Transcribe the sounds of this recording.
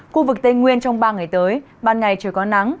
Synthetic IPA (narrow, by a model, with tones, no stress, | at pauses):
xu˧vɨ˨˩k̚t̪e˧nŋwi˧ənt͡ɕɔ˧wŋ͡mɓaː˧ŋa˨˩jt̪əː˨˦j | ɓaː˧˩nŋa˨˩jt͡ɕəː˧˩kɔ˨˦na˨˦ŋ